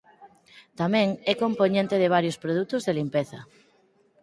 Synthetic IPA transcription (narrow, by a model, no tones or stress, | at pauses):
t̪amɛ̃ŋɛkompoɲẽnt̪ɪðɪβ̞aɾjʊspɾoð̞ut̪ʊzðelimpeθɐ